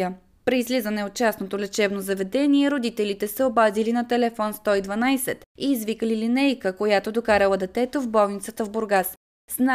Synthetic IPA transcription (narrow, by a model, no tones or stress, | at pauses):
ə | pɾiːzlizənɛot̪̚t͡ʃasnot̪olʲɛt͡ʃɛbnozɐvɛd̪ɛniɛɾod̪it̪ɛlit̪ɛsɛobazilinɐt̪ɛlɛfɔnst̪ɔid̪vɐnajsɛt̪iːzvikəlilinɛjkəkojat̪od̪okaɾɐlˠəd̪ɛt̪ɛt̪ovbɔlˠnit̪sət̪əvboɾɡas | sna